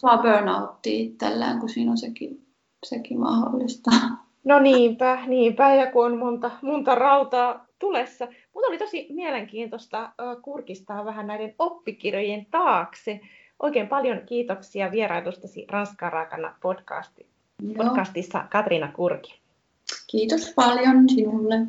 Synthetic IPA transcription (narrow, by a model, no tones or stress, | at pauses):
sɑbøːnɑut̪ːiit̪ːḛlːḛːŋkusiːnonseki | sekimɑ̰ho̰lːist̪ɑ | noniːmpæniːmpæjɑkuonmont̪ɑmont̪ɑrɑut̪ɑːt̪ulesːɑ | mut̪olit̪o̞simieleŋkiːnt̪ost̪ɑːkurkist̪ɑːʋæɦænnæidenopːikirjojent̪ɑːkse | ʔo̞̰ikeːmpɑljoŋkiːt̪oksiɑʋieɾɑilust̪ɑsḭrɑnskɑːrɑikɑnːɑ̰pod̥kɑ̰st̪i | podkɑst̪isːɑ̰kɑt̪rinɑkurki̥ | kiːt̪ospɑljonsinulːe